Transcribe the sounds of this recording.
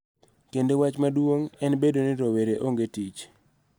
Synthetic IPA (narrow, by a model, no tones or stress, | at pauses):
kendewat͡ʃmadwoŋɛnbedonɪɾoweɾeʔoŋɡetit͡ʃ